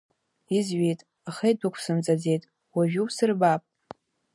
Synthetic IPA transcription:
izɥejtʼ | aχejdɨkʷʰsɨmt͡sʼad͡ze̞jtʼ | waʒᶣupsɨrbapʼ

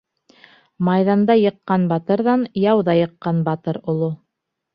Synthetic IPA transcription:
mɑjðɑnd̪ɑjɤ̆qːɑnbɑt̪ɤ̆ɾðɑnjɑwðɑjɤ̆qːɑnbɑt̪ɤɾŏlˠo

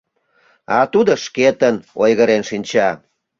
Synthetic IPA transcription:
ɑt̪ud̪oʃket̪ənojɣəɾenʃinʲt͡ɕɑ

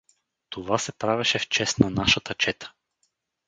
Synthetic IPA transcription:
t̪ovasɛpɾavɛʃɛft͡ʃɛsnanaʃət̪ət͡ʃɛt̪ə̥

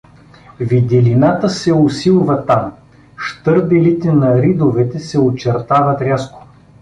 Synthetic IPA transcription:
vid̪ʲilinat̪əsɛosilˠvɐt̪am | ʃt̪ɤɾb̪ɛlit̪ɛnɐɾid̪ovɛt̪ɛsɛot͡ʃɛɾt̪avət̪ɾʲasko̥

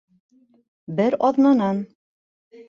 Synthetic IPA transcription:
bɘɾɒðnɑnɑn

